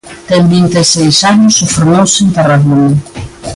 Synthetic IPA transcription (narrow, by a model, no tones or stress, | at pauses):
t̪ɛmbint̪esejsaɲʊsʊfeɾmowsɪeŋt̪araɣonɐ